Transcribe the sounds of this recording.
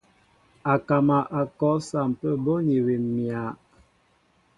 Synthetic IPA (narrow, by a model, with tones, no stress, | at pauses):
a˨ka˨ma˨ʔa˨kɔ˨˦sa˨m˨pə˦bɔ˦ɲi˨wi˨mmja˨˦